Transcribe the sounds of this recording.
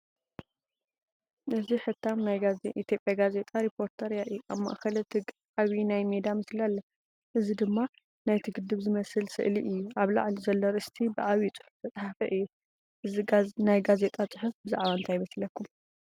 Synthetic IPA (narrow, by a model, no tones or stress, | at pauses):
ʔɨziħɨt̪ʰːamnajʔit̪ʰjo̞pʼjaɡaze̞t̪ʼaɾipʰo̞ɾt̪ʰɐɾjaʔɨjːuʔaβma̰ʔxɐlt̪ʰɨɡ | ʔaβinajmed̪amɨslialːɐ | ʔɨzid̪ɨmːa | najt̪ʰɨɡɨd̪ːɨβzɨmɐsɨlsɨ̰ʔliʔɨjːuʔaβla̰ʕlizɐlːoɾɨst̪ʰibɨʕaβit͡sʼɨ̥ħʊft̪ʰɐt͡s̪ʼħafɐʔɨjːu | ʔɨinajɡaze̞t̪ʼat͡sʼɨħɨfbɨza̰ʕβaɨnt̪ʰajβɐslɐkʰːum